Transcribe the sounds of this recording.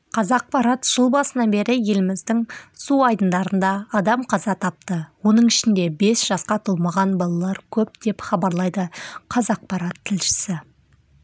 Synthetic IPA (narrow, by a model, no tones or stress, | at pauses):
qʰɑzɑq̚pɑɾɑt̪ʒ̥əlˠbɑsənɑnbe̞ɾɪje̞lɪmɪzd̪ɪŋsuɑjd̪ənd̪ɑɾənd̪ɑːd̪ɑmqʰɑzɑt̪ʰɑp̚t̪əwo̞nəɴɪʃɪnd̪e̞be̞sʒ̥ɑsqɑt̪ʰomɑʁɑnbɑlˠɑlˠɑɾkʲʰɵp̚d̪e̞pχɑbɑɾlˠɑjd̪əqʰɑzɑq̚pɑɾɑt̪ʰːɪlʃɪ̥sɪ